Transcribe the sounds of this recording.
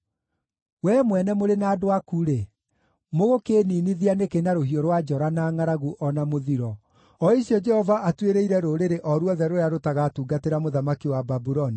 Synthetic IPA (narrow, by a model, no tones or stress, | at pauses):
wɛːmwɛnɛmoɾenaːdoakuɾe | moɣokeːniːniðianekenaɾohiɔɾwad͡ʒɔɾanaːŋaɾaɣuʔɔnamoðiɾɔ | ɔiɕjɔd͡ʒɛhɔvaʔatweɾeiɾɛɾoɾeɾeʔɔɾwɔðɛɾoɾeaɾotaɣatuːɡateɾamoðamakiwababuɾɔni